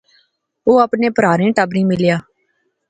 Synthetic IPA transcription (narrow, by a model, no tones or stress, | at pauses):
oːəpneːpəɾaːɾẽːʈəbɾĩːmɪljaː